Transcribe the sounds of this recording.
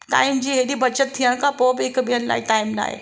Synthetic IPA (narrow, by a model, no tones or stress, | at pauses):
ʈa̰ːɪmd͡ʑiːɦeɗibʱɐt͡ɕət̪̚t̪ʰːiəɽ̃kʰãpoːbɪɪkɓijənɪla̰ːiʈaːɪmla̰ːɦḛ